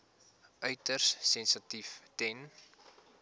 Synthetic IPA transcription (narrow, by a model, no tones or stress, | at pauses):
ʔœɥtərsːɛnsətiftɛn